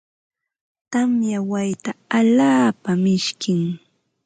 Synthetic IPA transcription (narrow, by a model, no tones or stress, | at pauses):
t̪amjawajt̪aaʎaːpamɪʃkɪŋ